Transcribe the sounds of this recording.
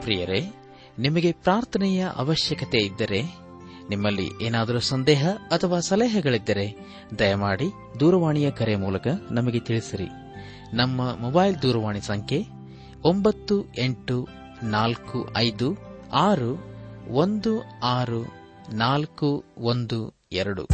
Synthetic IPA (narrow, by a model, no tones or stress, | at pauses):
pɾijɐɾe | nimɐɡe̞pɾaːɾt̪ʰɐnɛjɐʔɐ̰ʋɐʃjɐkɐt̪e̞id̪ːɐɾe̞ | nimːɐlːḭʔeːnaːd̪ɐɾusɐnd̪ɛːɦɐɐt̪ʰɐʋaːsɐlɛːɦɐɡɐɭid̪ːɐɾe̞ | d̪ɐjɐmaːɽi | d̪uːɾɐʋaːɳijɐkɐɾe̞muːlɐkɐnɐmɐɡe̞t̪iɭisiɾḭ | nɐmːɐmɔbaːjld̪uːɾɐʋaːɳisɐŋkʰe̞ | ombɐt̪ːue̞ɳʈu | naːlkuʔɐjd̪uaːɾuond̪uaːɾunaːlkuond̪u | ɛɾɐɽṵ